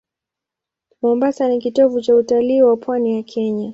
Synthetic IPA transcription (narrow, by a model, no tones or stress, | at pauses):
mɔmbasanikitɔvut͡ʃautaliːwapwanijakʰɛɲa